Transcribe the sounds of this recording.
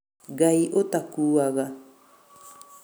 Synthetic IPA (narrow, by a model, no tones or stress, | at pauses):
ɡajʔot̪akuːaɡa